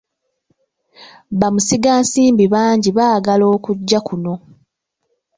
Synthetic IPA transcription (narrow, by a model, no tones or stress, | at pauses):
βamusiɡaːnsiːmbiβaːɲɟiβaːɡalo̞ːkuɟːakuno̞